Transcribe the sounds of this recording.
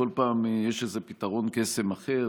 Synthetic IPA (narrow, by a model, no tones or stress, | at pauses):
o̞lpaːmjeʃezepitaʁo̞nkesemaχe̞